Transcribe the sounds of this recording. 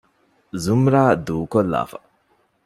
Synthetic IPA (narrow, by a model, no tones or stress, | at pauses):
zumɾaːd̪uːkɔla̰ːfa̰